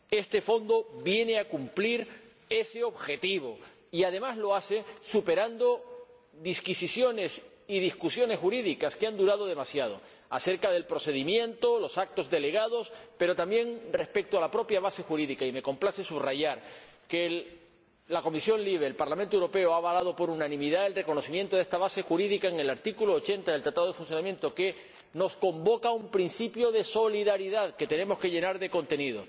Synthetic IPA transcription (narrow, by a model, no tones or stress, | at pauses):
e̞st̪e̞fo̞nd̪o̞βje̞neakumpliɾ | e̞seo̞βxe̞t̪iβ̞o̞ | iaðe̞mazlo̞ase̞supe̞ɾand̪o̞ | ðiskisisjo̞ne̞s | ið̞iskusjo̞ne̞sxuɾiðikaskeand̪uɾað̞o̞ð̞e̞masjað̞o̞̰ | a̰se̞ɾkaðe̞lpɾo̞se̞ðimjẽ̞nt̪o̞lo̞sak̚t̪o̞zðe̞le̞ɣ̞að̞o̞spe̞ɾo̞t̪ambje̞ŋre̞spe̞k̚t̪oalapɾo̞pjaβ̞ase̞xuɾiðikaime̞ko̞mplase̞suβraʝaɾke̞ | lako̞misjo̞ŋliβ̞eːlpaɾlamẽnt̪owuɾo̞pe̞oaβalað̞o̞po̞ɾunãnĩmiðae̞lre̞ko̞no̞simje̞nt̪o̞ðest̪aβase̞xuɾiðikaeŋe̞laɾt̪ikuloːt͡ʃe̞nt̪aðelt̪ɾat̪aðoe̞funθjo̞namje̞nt̪o̞ke̞ | no̞sko̞mbo̞kaumpɾinsipjo̞ð̞e̞so̞liðaɾiðaðke̞t̪e̞nẽ̞mo̞ske̞ʝe̞naɾðe̞ko̞nt̪e̞niðo̞̰